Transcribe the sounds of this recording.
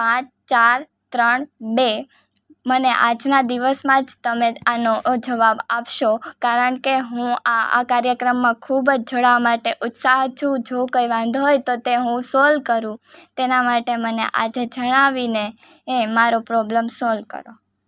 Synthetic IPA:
pãt͡ʃt͡ʃaɾ | t̪ɾəɳbe | məneʔad͡ʒnad̪iʋəsmãd͡ʒt̪əmeanod͡ʒəʋabapʃokaɾəɳkeɦũaa̰kaɾjəkɾəmːãkʰubd͡ʒd͡ʒʱəɽmaʈeʔʊt̪saɦt͡ʃʰũd͡ʒokəjʋãnd̪ʱɦojt̪ot̪eɦũsɔlkəɾũt̪enamaʈemənḛʔad͡ʒed͡ʒəɽ̃aʋineː | maɾopɾɔbləmsɔlkə̰ɾo

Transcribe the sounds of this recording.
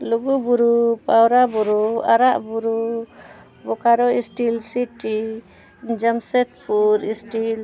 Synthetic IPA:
luɡubuɾupawɾabuɾua̰ɾaʔbuɾu | bɔkaɾɔisʈilsiʈi | d͡ʒamsɛt̪̚puɾisʈil

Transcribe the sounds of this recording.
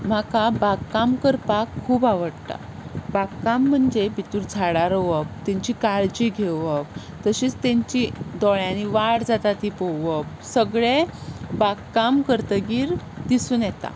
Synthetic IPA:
m̤akabakkamkəɾpakʰːuːbaʋəɽt̪a̰bakkam̤ːəɳd͡ʑebʱit̪uːɾd͡zʱaɽaɾəʋəp̚t̪ẽɲt͡ɕikaɾd͡ʑiɡʱeək̚ | t̪əɕiːt͡st̪ẽɲt͡ɕid̪ɔɭjaniʋaɽd͡zat̪at̪ipɔʋək̚ | səɡɭebaɡkamkəɾt̪əɡiːɾd̪isuːnjɛt̪a̰

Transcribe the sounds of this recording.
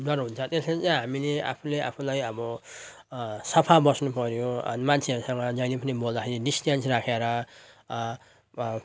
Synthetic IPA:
nʌɾɦunt͡sʰʌt̪esmat͡sajɦamilea̰pʰuleʔa̰pʰulajʌbʌ | sʌpʰabʌsnupʌɾjõʌ̰nimant͡sʰeʌɾusʌŋɡʌd͡zʌjnepʰʌnimold̪akʰeɾinisʈjansrakʰeɾʌ

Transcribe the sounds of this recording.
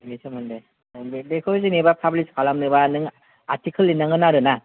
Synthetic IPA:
nesʰɯmɯnde | bbekʰosɯnebapʰabɯliskalamnɯbanɯŋ | atʰikʰɯlːinːaŋɯnaɾɯna

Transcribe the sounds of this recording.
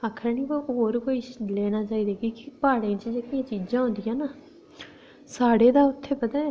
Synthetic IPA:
akʰːəɾniːbɦoːɾkoːiːlɛːnaːt͡ʃaːiːd̪eːɡikɪpaːɽẽːt͡ʃd͡ʒekɪjãːt͡ʃiːd͡ʒãːõːnd̪ɪjãːnaː | saːɽeːd̪aːʊt̪ʰːeːpət̪aː

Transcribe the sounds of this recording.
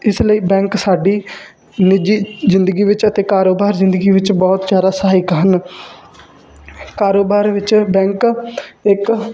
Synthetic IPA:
ɪsləiːbɛ̃ːŋksaːɖiː | nɪd͡ʒiːzɪnd̪əɡiːʋɪt͡ʃət̪eːkaːɾoːbaːɾzɪ̃nd̪əɡiːʋɪt͡ʃbɔːt̪zd͡ʒjaːd̪aːsɦaːɪkɦən | kaːɾoːbaːɾʋɪt͡ʃbɛ̃ːŋkɪk

